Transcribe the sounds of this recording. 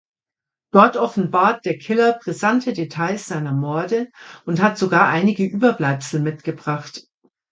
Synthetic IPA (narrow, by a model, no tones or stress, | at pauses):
d̥ɔɐtʔɔfn̩baːɐt̚d̥eːɐkʰɪlɐbʁ̥izantʰədetʰaɪsz̥aɪnɐmɔɐdəʔʊnthatz̥oɡaːɐʔaɪnɪɡəʔyːbɐblaɪpsl̩mɪtɡ̥əbʁaχt